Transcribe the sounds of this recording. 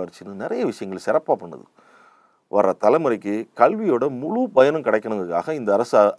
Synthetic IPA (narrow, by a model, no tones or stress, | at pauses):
ɐɾt͡ʃːɯnːɯnɪɾɐjɐʋɪʂɐjɐŋɡɐɭsɪɾɐpːaːpɐɳːɐ̰ðɯ̰ | ʋɐɾɐt̪ɐlɐɪmɯɾɐɪkːɯkɐɭʋɪjoːɽɐmʊɻupɐjɐnɯmkɪɽɐɪkːɐɳɯŋɡɐkːaːɣɐɪnd̪ɐːɾɐs